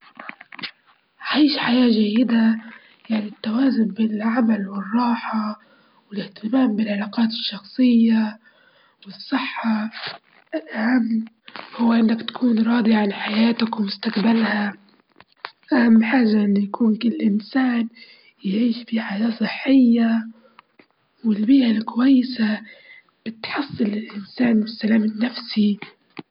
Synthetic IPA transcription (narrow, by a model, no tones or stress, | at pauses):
ʕʕaʕiːʃħajaːʒajːɪd̪a | jaʕnit̪ːawaːzʊnbɪlʕamalwɪrˤːɑːħɑ | wɪlɪht̪ɪmaːmbɪlʕalɑːqɑːt̪ɪʃːɑxsˤɨjːa | wɨsˤːɨħːɑ | ʔɪlʔahamː | hʊwːaʔɪnːakt̪ḁkʰuːnɾˤɑːd̪ˤiʕanħajaːt̪akwɪmʊst̪aqbalha | ʔahamːħaːʒaʔɪnːujakʰuːnkɪlːlʔɪnsaːn | jʕiːʃbiħajaːsˤɨħːɪjːa | wɪlbiːʔalkʊwajːɪsa | b̥ɪt̪ħɑsˤːɨlɪlʔɪnsaːnbɪsːalaːmɪnːafsi